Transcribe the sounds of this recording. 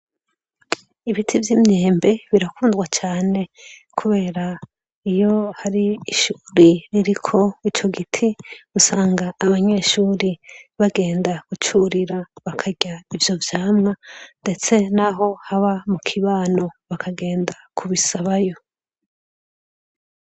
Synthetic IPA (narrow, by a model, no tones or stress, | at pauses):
iβitʰivjimɲeːmbe̞βiɾakuːnzɡwat͡ʃaːne̞kʰuβe̞ːɾa | ijo̞haɾiːʃuːɾiɾiɾikʰo̞it͡ʃo̞ɡitʰiusaːŋɡaːβaɲe̞ːʃuːɾiβaɡe̞ːndaɡ̥ut͡ʃuɾiɾaβakʰaɟaivjo̞vjaːmŋande̞t͡se̞naɦo̞haβamukʰiβaːno̞βakʰaɡe̞ːndakʰuβisaβajo̞